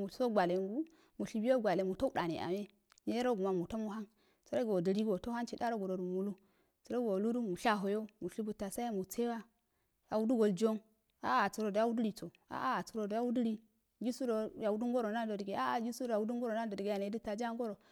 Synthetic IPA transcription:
mu˨so˦ɡʷa˨le˨ŋɡu˦ | mu˨ɬi˨bi˦o˦ɡʷa˨le˨mu˨to˦u˦da˨nḛ˨ʔa̰˨me˦ | ne˦ɾo˦ɡu˨ma˨mu˨ta˦mu˦ɦa˦n | t͡so˨ɾo˦ɡo˨di˨ɾi˦ɡo˨to˦ha˦nt͡ʃi˨da˦ɾo˦ɡu˨ɾo˨ɾu˨mu˨lu˦ | t͡si˨ɾo˦ɡo˨lu˦du˦mu˨ʃa˦ɦo˨jo˦mu˨ɬi˦bu˨ta˨sa˦a˦mu˨t͡se˦wa˦ | a˨wu˦du˦ɡo˨ld͡ʒo˦n | a̰˨˦a˨t͡su˨ɾo˨da˦wu˦du˦ɾi˨t͡so˨ | a̰˨ʔa˦a˨t͡su˨ɾo˨da˦wu˦du˦ɾi˦ | ɡi˦su˦ɾo˨ja˨wu˦du˦ŋɡo˦ɾo˨na˦do˨di˨ɡe˨a˦a˨ɡi˦su˦ɾo˨a˨wu˦du˦ŋ˦ɡo˦ɾo˨na˦do˨di˨ɡe˨ja˨ne˨˦di˦ta˨d͡ʒa˦ŋɡo˦ɾo˨

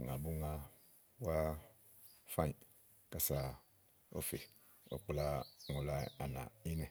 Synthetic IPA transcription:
ŋa˨bu˦ŋa˦ | wa˦ | fa˦˨ | ka˨sa˨ | o̰˦fe˨ | o̰˨k͡pu˦la˦ŋu˨la˦a˨na̰˨i˦nɛ˨

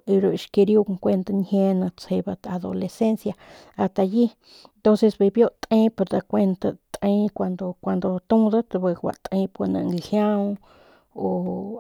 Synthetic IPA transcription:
i˧ɾo˨˧ʃki˧ɾju˦kŋkʷe˧nt̪a˧nhje˧nã˧t͡se˧ba˧t̪a˨d̪o̰˧le˨se˦nsja˧ | a˧st̪a˧ji˦ | nt̪õ˦nse˧sbe˧bjo˦t̪ʼĩ˦pe˧ɾd̪a˧kʷe˧nt̪a˧t̪ẽ˧kʷa˧nd̪o˧kʷa˧˨nd̪o˧t̪ũ˦d̪a˦t̪be˧wa̰˨ʔt̪ʼĩ˧˦po˧na̰˧ŋhjã˦w | o˨

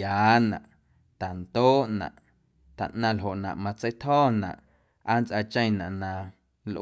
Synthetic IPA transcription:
aː˨˦nã̰˨ʔ | t̪a˨nt̪oː˦ʔnã̰˨ʔ | t̪a̰˨ʔnã˧lɦo˨ʔnã̰˨ʔmã˧t͡sə˦jt̪hɔː˦˨nã̰˨ʔ | a˦nt͡sʔa˧t͡ʃə̃˦˧j̃nã̰˨ʔnã˧ | lʔ

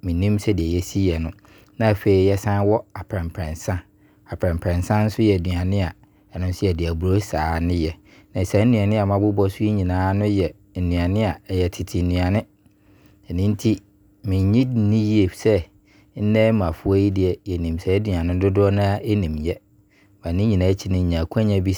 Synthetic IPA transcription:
mɪ̃˨nĩ˦msɛ˦dɪ˨ɛ˨jɛ˦si˦jɛ˨nʊ̃˦ | nã˦˨fe˨i˦jɛ˦sã˦n˦wɔ˦a˨pʰɾɛ̃˨m˨pʰɾɛ̃˨nsã˦ | a˨pʰɾɛ̃˨mpʰɾɛ̃˨nsã˦n̩˦sʊ˦jɛ˨dɥã˨nɪ̃˦a˨ | ɛ˨nʊ̃˦n˦sʊ˦ɛ˨dɪ˨æ˨bu˨ɾo˦saː˨nɪ̃˦jɛ˨ | nã˨sɛ˨˦n̩˦nĩ˨a˨nɪ̃˦a˨mã˨˦bʊ˦bɔ˦sʊ˦i˦ɲĩ˨nãː˨˦nʊ̃˦jɛ˨ | n̩˨nũ˨a˨nɪ̃˦a˨jɛ˨tʰɪ˨tʰɪ˨n̩˨nũ˨a˨nɪ̃˦ | ɛ˨nɪ̃˦n̩˦tʰi˦ | mɪ̃˨ɲĩ˦nĩ˦ji˦e˨sɛ˦ | n̩˦nɛ̃˦mã˨fʊ˦a˦ji˦dɪ˨ɛ˨jɛ˨nĩ˨msɛ˨ɛ˦dɥã˨nɪ̃˦dʊ˦dʊ˦ɔ˦nã˦nĩ˨mjɛ˦ | mã˨nɪ̃˦ɲĩ˨nã˨˦ɛ˦t͡ɕʰɪ˦nɪ̃˨ɲ̩˨ɲ˨ã˨kʰu˦a˦ɲã˦bi˦

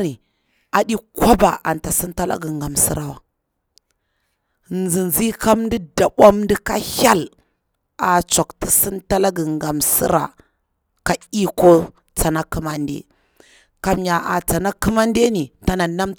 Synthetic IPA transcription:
ɾi˨ | a˨ɗi˦kwa˦ba˨ʔa˨nta˨si˦nta˦la̰˦ɡi˨ŋɡa˨msḭ˦ɾa˨wa˨ | nzi˨nzi˦ka˦mndi˦da˨ɓʷa˦mn˦di˦ka˦ha˦l | a˨t͡sa˨kti˨si˦nta˦la˦ɡi˨ŋɡa˨msḭ˦ɾa̰˨ | ka˨i˦ko˦ | t͡sa˨na˦ki˦ma˦ndḛ˦ | ka˨m˦ja˨ʔa˨t͡sa˨na˦ki˦ma˦nde˦ni˨ta˨na˨na˦m

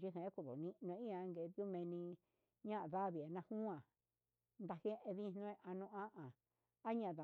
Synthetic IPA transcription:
ʒi˦ɦẽ˨e˦ku˧˨ðo̰˨nĩ˦˧nũ˧ẽ˧˦ĩ˦ã˧ŋɡe˧˨˧ðjo˦mẽ˧nĩ˧ | ɲã˦ʔa˨ða˦βi˨a˨nã˧hũ˦ã˨ | nd̪a˧he˦ʔe˧ðĩ˦˧nõ˦ẽ˧ʔa˧nũ˧ã˦ʔã˨ | a˦ɲã˧˨ða˨

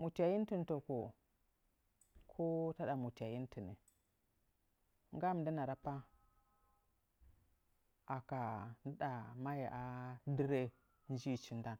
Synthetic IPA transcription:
mu˨ti˨a˨ji˦n˦ti˦nto˨ko˨ | kʰo˦ta˦ɗa˨mu˨ti˨a˨ji˦n˦ti˨nḭ˨ | ŋ˦ɡa˦m˨di˦na˨ɾa˦pa˦ | a˨ka˨ndə˦ɗa˨ma˦ja̰˨ʔa˦di˦ɾe˦ | n˦d͡ʒi˦˨t͡ʃi˦nda˦n

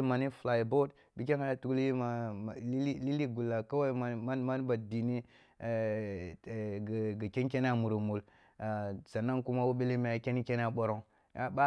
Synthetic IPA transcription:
ma˨ni˦fla˨jbo˦d | bi˦k̬ʲe˦nha˦ja˦tu˦ɡli˦ma˨i˦i˦li˦li˦ɡu˨lːa˨ka˦wa˦ma˨˦a˦nma˦n˦ba˨di˨ni˦˨ | ɡɡa˨ke˦nkʲe˦n˦a˨mu˨ɾu˨mu˨l | sa˨na˦ŋku˦ma˦wu˦be˦li˦me˨˦a˨ke˦ni˦ke˦n˦a˨ɓo˦ɾo˦ŋ | a˦ba˦

